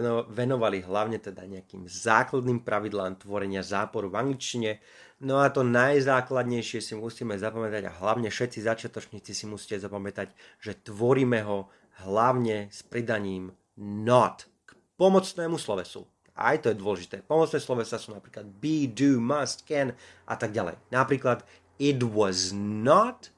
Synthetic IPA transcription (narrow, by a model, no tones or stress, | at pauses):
ʋɛnɔʋaliɦlaʊɲɛt̪ɛd̪aɲɛakḭːmzaːklad̪niːmpɾaʋid̪laːmt̪ʋɔɾɛɲɪazaːpɔɾuvaŋɡlit͡ʃciɲɛ | nɔat̪ɔnajzaːklad̪ɲɛjʃɪɛsimusiːmɛzapamɛt̪aɟa̰ɦlaʊɲɛfʃɛt̪t͡sizat͡ʃɪat̪ɔt͡ʃɲiːt͡sisimusi̥cɛzapamɛt̪aɟ | ʒ̥ɛt̪ʋɔɾiːmɛɦɔ | ɦlaʊɲɛspɾid̪aɲiːm | nɔt̪ | k | pɔmɔt͡snɛːmuslɔʋɛsṵ | ʔa̰jt̪ɔjɛd̪ʊɔlɛʒit̪ɛːpɔmɔt͡snɛːslɔʋɛsasuːnapɾiːklad̪̚biːd̪uːmast̪kɛn | ʔa̰t̪aɡɟalɛ̰jnapɾiːklad̪ | id̪wɔznɔt̪